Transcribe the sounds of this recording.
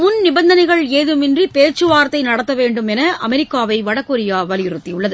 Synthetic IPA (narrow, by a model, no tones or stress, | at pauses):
mʊnnɪbɐnd̪ɐnɐɪɣɐɭeːðɯmɪndripeːɾt͡ʃɯʋaːɾɐt̪ːɐɪnɐɽɐt̪ːɐʋeːɳɖɯmɛnɐʔɐmɛɾɪkːaːʋɐɪʋɐɽɐkːɔɾɪjaːʋɐlɪjɪɾɯt̪ːiʊɭːɐðɯ